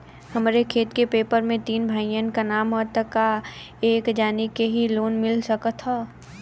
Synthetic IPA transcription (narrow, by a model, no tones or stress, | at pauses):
həmɾekʰeːt̪kepeːpəɾmẽt̪iːnbʱaːijənkanaːmɔt̪əka | eːkd͡ʒaːnikeɦiloːnmɪlsəkət̪ɦɔː